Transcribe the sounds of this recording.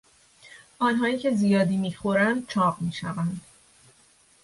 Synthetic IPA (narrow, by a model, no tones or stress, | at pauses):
ʔɒːnɦɒːiːcʰe̞zijɒːd̪iːmiːxoɾænd̪̥̚t͡ʃʰɒːbmiːʃævænd̪̥